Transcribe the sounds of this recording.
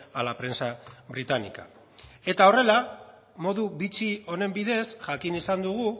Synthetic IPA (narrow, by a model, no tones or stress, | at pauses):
alapɾe̞nsaβɾit̪anḭka̰ | e̞t̪ao̞re̞la | mo̞ðuβit͡sio̞ne̞mbiðe̞sʝakinisand̪uɣ̞u